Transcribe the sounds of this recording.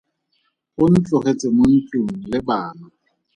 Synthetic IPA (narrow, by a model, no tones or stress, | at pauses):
ʊn̩t͡ɬʊχet͡sʼɪmon̩t͡ɬuŋ̩lɪbaːnʊ